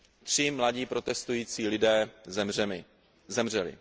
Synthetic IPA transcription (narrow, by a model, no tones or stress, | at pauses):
t̪r̝̥ɪmlaɟiːpɾo̞t̪ɛst̪ujiːt͡siːlɪdɛːzɛmrɛmɪ | zɛmrɛlɪ̰